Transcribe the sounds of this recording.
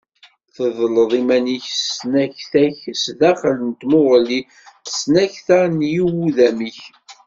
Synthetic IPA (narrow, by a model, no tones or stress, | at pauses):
θəðˤləðˤimæniçsnæçθæçsðæχələnt̪mʊʁli̥ | snæçθanjiwuðæmiç